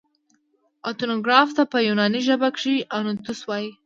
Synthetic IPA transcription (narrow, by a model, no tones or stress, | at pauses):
at̪unoɡɾɑft̪apəjunɑniʒəbakʂianut̪uswɑji